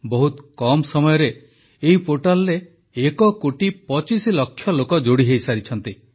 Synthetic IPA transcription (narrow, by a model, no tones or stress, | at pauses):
bɔɦut̪kɔmsɔmɔjɔɾe | eɦipoʈalɔɾeː | kɔkoʈipɔt͡ʃisilɔkʰːjɔlokɔd͡ʒoɽiɦejsaɾit͡ʃʰɔnt̪i